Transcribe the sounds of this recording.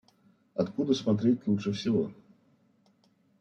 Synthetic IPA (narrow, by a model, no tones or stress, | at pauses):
ɐt̪kud̪əsmɐt̪̬ɾʲet̚ʲlˠutʂəfsʲɪvo